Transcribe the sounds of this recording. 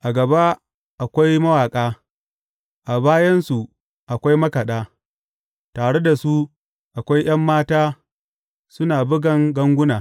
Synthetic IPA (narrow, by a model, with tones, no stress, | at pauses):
ʔa˨ɡɐ˨ba˦ | ʔa˨kʷa˦jmɐ˦waː˨kʼaː˦ | ʔa˨baː˦jɐ˦nsu˨ | ʔa˨kʷa˦jmɐ˦kɐ˨ɗaː˦ | taː˨ɽe˦da˨su˦ | ʔa˨kʷa˦jj̰ɐ˦mːaː˦taː˦ | sʊ˦naː˨bʊ˦ɡɐ˨ŋɡɐ˦ŋɡʷʊ˦naː˨